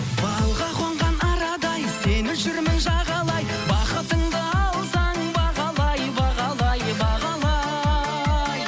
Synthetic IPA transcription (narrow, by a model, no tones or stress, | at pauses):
bɑlˠʁɑqʰwoɴʁɑnɑɾɑd̪ɑjsenɪʒʏɾmɪnʒɑʁɑlˠɑj | bɑqət̪əɴd̪əɑlˠzɑɴbɑʁɑlˠɑjbɑʁɑlˠɑjbɑʁɑlˠɑ | j